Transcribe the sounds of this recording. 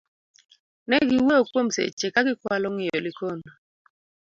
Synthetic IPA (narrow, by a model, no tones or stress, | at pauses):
nɛɡɪwookwomsḛt͡ʃːekaɡɪkwalɔŋɪjolɪkon